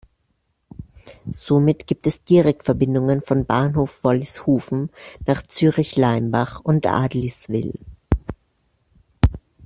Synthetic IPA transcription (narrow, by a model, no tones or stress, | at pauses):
z̥oːmɪtɡ̥iːp̚tɛsd̥iːʁɛk̚tfɛɐbɪndʊŋənfɔnbaːnɦoːfv̥ɔlɪshuːfn̩naːχt͡syːʁɪçlaɪmbaχʊntʔa̰ːdl̩isv̥ɪ̰l